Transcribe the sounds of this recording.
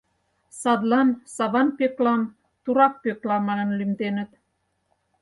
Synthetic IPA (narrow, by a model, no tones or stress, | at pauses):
sɑd̪lɑnsɑβɑnpeklɑn | t̪uɾɑk̚peklɑmɑnə̆nlymt̪enə̆t̪